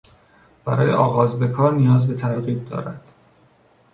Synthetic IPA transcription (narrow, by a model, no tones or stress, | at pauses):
b̥æɾɒ̰ːjḛʔɒːɣɒːzbe̞kʰɒːɾnijɒːzbe̞t̪ʰæɾɣiːb̪̚d̪ɒ̰ːɾæd̪̥